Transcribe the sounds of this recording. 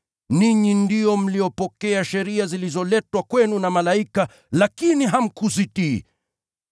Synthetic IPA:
niɲindijɔm̩lijɔpɔkɛaʃɛɾiazilizɔlɛtwakwɛnunamalaika | lakiniɦam̩kuzitḭ

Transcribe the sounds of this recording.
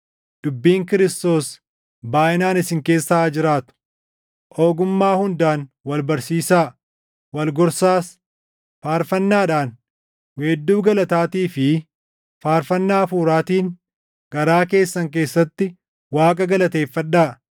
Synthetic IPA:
d̪̥ʊbːiːŋkɪɾɪst̪o̞ːs | baːʔɪnaːnɪsɪŋke̞ːsːaːd͡ʒɪɾaːt̪ʊ̥ | ʔo̞ːɡʊmːaːhʊnd̪aːnwɐlbɐɾsiːsaː | wɐlɡɔɾsaːs | faːɾfɐnːaːᶑaːn | weːd̪ːuːɡɐlɐt̪aːt̪iːfɪ | faːɾfɐnːaːfuːɾaːt̪iːŋ | ɡ̥ɐɾaːke̞ːsːɐŋk̬e̞ːsːɐt̪ːɪ | waːkʼɐɡɐlɐt̪e̞ːfːɐᶑːaː

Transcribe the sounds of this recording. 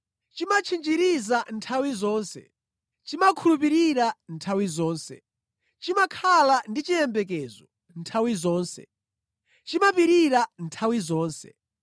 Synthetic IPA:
t͡ʃimat͡ʃʰind͡ʒiɾizantʰawizɔːnsɛ̰ | t͡ʃimakʰulup̬iɾiɾantʰawizɔːnsɛ̰ | t͡ʃimakʰalandit͡ʃijɛmbɛk̬ɛːzɔ | ntʰawizɔːnsɛ̰ | t͡ʃimapiɾiɾantʰawizɔːnsɛ̰

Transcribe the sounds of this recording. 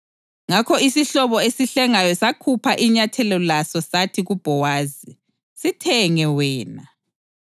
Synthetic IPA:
ŋakʰɔisiɬɔβɔesiɬɛŋajɔsakʰupʰaʔiɲatʰɛlɔlasɔsatʰiɣub̥ʱɔwaːzi | sitʰɛŋɛwɛːna

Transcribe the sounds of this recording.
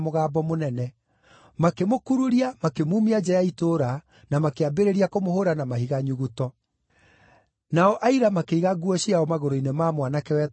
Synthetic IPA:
moɣaːbɔmonɛnɛ | makemokuɾuɾiamakemuːmiad͡ʒɛjaitoɾa | namakeabeɾeɾiakomohoɾanamahiɣaɲuɣutɔ | naɔʔaiɾamakeiɣaɡuɔɕiaɔmaɣoɾoinemaːmwanakɛwɛt

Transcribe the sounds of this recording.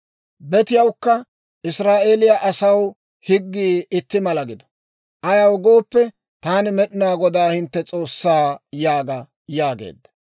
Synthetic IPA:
bɛt̪ɪjɐwkːɐ | ʔɪsɾaːʔeːlɪjɐʔɐsɐw | hɪɡːiːɪt̪ːɪmɐlɐɡɪd̪ɐ̥ | ʔɐjɐwɡo̞ːpːɛ | t̪aːnɪmɛɗɪnaːɡɔd̪aːhɪnt̪ːɛt͡sʼo̞ːsːaːjaːɡɐ | jaːɡḛːd̪ːɐ̥

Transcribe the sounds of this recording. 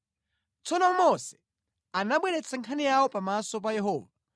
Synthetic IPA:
t͡sɔnɔmɔsɛ̥ | anaɓwɛɾɛt͡sʰaŋkʰanijawɔpamasɔp̬ajɛɦɔːva

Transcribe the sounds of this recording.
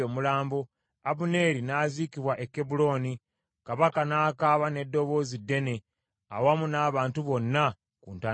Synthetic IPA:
omulaːmbo | aβune̞ɾinaːziːkiβwaʔekːebulo̞ːni | kaβakanaːkaːβane̞dːo̞βo̞ːzidːe̞ne̞ | a̰wamunaːβaːntuβo̞nːa | kuːnta

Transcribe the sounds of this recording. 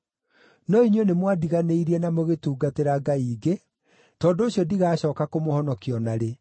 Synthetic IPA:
nɔiɲwenemwadiɣaneiɾiɛnamoɣetuːɡateɾaɡaiːɡe | tɔːndoːɕjɔdiɣaːɕɔːkakomohɔnɔkiɔnaɾe

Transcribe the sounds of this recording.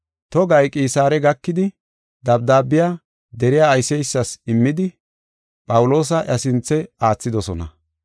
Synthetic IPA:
t̪ɔɡɐjkʼiːsaːɾɛɡɐkːɪd̪ɪ | d̪ɐbd̪aːbɪja | d̪ɛɾɪjaːjsɛjsːɐsɪmːɪd̪ɪ | pʼɐwʊlo̞ːs̬ɐʔɐsɪnt͡sːɛaːt͡sːɪd̪ɔsɔnɐ̰

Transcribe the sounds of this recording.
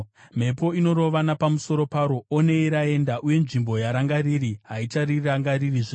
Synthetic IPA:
m̤e̞po̞ino̞ɾo̞ʋanapamuso̞ɾo̞paɾo̞one̞iɾae̞ndaʔuje̞nʐimbo̞jaɾaŋɡaririɦaitariraŋɡaririʐe

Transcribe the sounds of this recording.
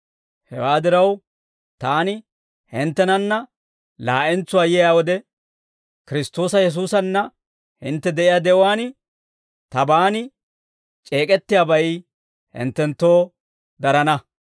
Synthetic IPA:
hɛ̰waːd̪ɪɾɐw | t̪aːnɪ | hɪnt̪ːɛnɐnːɐ | laːʔɛnt͡sːʊwaːjɛjaːwɔd̪ɛ | kɪɾɪst̪o̞ːsɐjɛs̬uːsɐnːɐ | hɪ̰nt̪ːɛd̪ɛʔɪjaːd̪ɛʔʊwaːn | t̪ɐbaːnɪ | t͡ʃʼe̞ːkʼɛt̪ːɪjaːbɐj | hɪ̰nt̪ːɛnt̪ːo̞ː | d̪ɐɾɐnɐ

